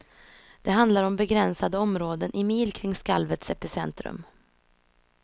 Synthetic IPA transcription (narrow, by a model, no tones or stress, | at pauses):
d̪̥ɛɦand̪laɾɔmbɛɡɾɛnsad̪əɔmɾoːd̪ənʔɪmiːlkʰɾɪŋskalvət̪sɛpɪsɛnt̪ɾɵ̰m